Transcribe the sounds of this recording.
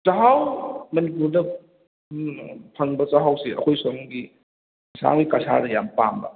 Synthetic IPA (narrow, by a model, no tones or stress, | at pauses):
t͡ʃaɦawmɐnip̬uɾdɐ | pʰɐŋbɐt͡ʃaɦawsiʔɐ̰kʰojsoŋɡi | sʰa̰ŋɡikasʰa̰ɾɐjampambɐ̰